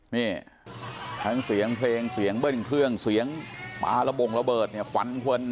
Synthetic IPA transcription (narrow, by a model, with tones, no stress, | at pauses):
niː˧˩ | t̪ʰa˦˥ŋsi˩˦əŋpʰleː˧ŋsi˩˦əŋbɤ˥˩ŋkʰɾɯ˥˩əŋsi˩˦əŋpa̰ː˧ɾa˧bo˨˩ŋla˧bɤː˨˩t̪̚ni˧˩əkʰa̰˨˩˦nkʰu˧n